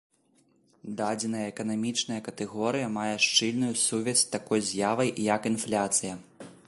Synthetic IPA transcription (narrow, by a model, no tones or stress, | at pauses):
d̪ad͡zʲɛnɐjɐɛkɐnamʲit͡ʂnɐjɐkɐt̪ɛɣɔɾɨjɐmajɛʂt͡ʂɨlʲnujusuvʲɛsʲt̪akɔjzʲjavɐjjɐkinflʲat̪sɨjɐ